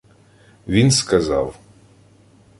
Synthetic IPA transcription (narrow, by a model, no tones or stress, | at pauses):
ʋʲinskɐza̰w